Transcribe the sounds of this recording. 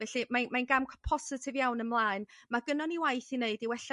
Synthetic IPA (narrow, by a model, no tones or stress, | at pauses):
vɛɬimamanɡamkʰɔpʰɔsɪtʰɪvjawnənmlˠaːɨnmaɡənɔniwajθineɨdiwɛɬ